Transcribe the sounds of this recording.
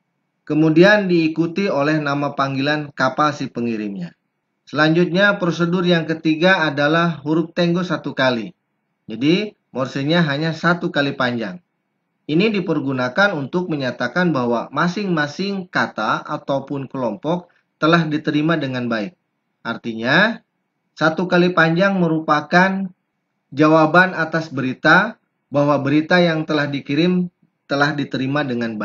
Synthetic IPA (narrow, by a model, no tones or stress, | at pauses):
kəmudiandiːkut̪iolɛhnamapaŋɡilankapalsipəŋiɾɪmɲa̰ | səlaɲd͡ʒut̪̚ɲapɾos̬ədʊrjaŋkət̪iɡaːdalahɦuɾʊk̚t̪ɛŋɡosat̪ukali | d͡ʒadi | mɔrsilɲaɦaɲasat̪ukalipaɲd͡ʒa̰ŋ | inidipərɡunakanunt̪ʊk̚məɲat̪akanbaɦwamasɪŋmasɪŋkat̪aa̰t̪awpʊnkəlɔmpɔk̚ | t̪əlahdit̪əɾimadəŋanbaɪk̚ | ʔart̪iɲa | sat̪ukalipaɲd͡ʒaŋməɾupakan | d͡ʒawabanat̪asbəɾit̪a | baɦwabəɾit̪ajaŋt̪əlahdikiɾɪm | t̪əlahdit̪əɾimadəŋanba